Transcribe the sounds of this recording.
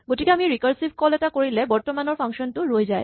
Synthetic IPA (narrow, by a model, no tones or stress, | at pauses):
ɡotikeamiɹikaɹsibʱkɔlɛtakoɹilɛbɔɹtɔmanɔɹpʰaŋʃɔntʊɹojzaj